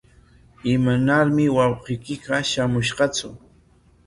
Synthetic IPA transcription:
ɪmanaɾmɪwɑwqɪjkɪɢɑʃamʊʃɢɑt͡sʊ̰

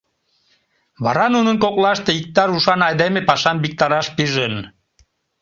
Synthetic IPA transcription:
βɑ̰ɾɑnunənkoklɑʃt̪eik̚t̪ɑɾuʃɑnɑjd̪emepɑʃɑnbik̚t̪ɑɾɑʃpiʒən

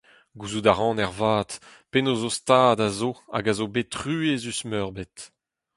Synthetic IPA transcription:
ɡuzudaʁɑ̃nɛʁvaːt̪penozost̪aːdazoa̰ɡazobetʁyːezysmœʁbet̪

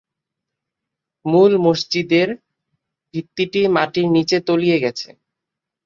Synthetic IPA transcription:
mulmoʃd͡ʑid̪eɾ | bʱit̪ːiʈimaʈiɾnit͡ɕet̪olijeɡɛt͡ɕʰḛ

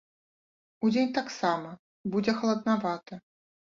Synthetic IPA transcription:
ud͡zʲenʲt̪aksamɐ | bud͡zʲɛxɐlˠɐd̪navat̪ɐ

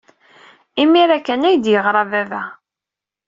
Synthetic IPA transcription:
imiɾækːænæjd̪jəʁɾˤɑvævæ

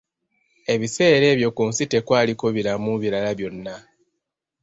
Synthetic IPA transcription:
e̞βise̞ːɾe̞ːβjo̞kuːnsite̞kwaːliko̞βiɾamuβiɾalaβjo̞nːa

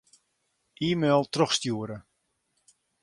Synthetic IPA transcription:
ʔiːmelˠtrɔxstjuəɾə

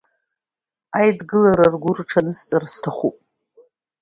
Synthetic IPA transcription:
ajdɡɨlaɾarɡʷʊrʈ͡ʂʰanɨst͡sʼarstʰaχʷupʼ

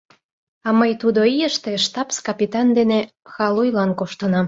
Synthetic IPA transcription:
ɑməjt̪ud̪oijəʃt̪eʃt̪ɑpskɑpit̪ɑnd̪ene | xɑlujlɑnkoʃt̪ənɑm

